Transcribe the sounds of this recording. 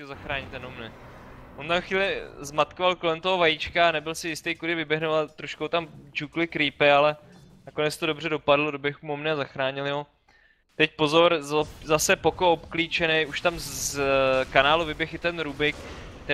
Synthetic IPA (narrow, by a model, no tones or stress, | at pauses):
zaxɾaːɲɪt̪ːɛnomnɛ | ʔont̪amxviːlɪzmat̪kovalko̞lɛmt̪oɦovajit͡ʃkaanɛbɪlsɪjɪst̪ejkudɪvɪbjɛɦnovat̪ɾoʃkowt̪amd͡ʒuklɪkɾiːpɪalɛ | nako̞nɛt͡st̪odo̞br̝ɛdo̞padlodobjɛxumomnɪazaxɾaːɲɪlɪɦo | t̪ɛc̚po̞zoɾzzasɛpo̞koopkliːt͡ʃɛnɛjuʃt̪am | kanaːluvɪbjɛxɪt̪ɛnɾubɪk | t̪ɛ